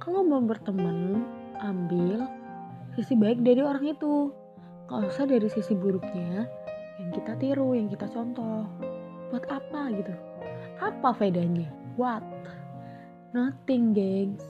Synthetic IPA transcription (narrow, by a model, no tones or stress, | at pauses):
kaloməʊŋbərt̪əmən | ʔambɪl | sisibaɪk̚daɾioɾaŋit̪u | kalosadaɾisisibuɾʊk̚ɲajaŋkit̪at̪iɾujaŋkit̪at͡ʃɔnt̪ɔhb̥uat̪apaɡit̪u | ʔapafedaɲawat̪̚ | naht̪iŋɡɛŋ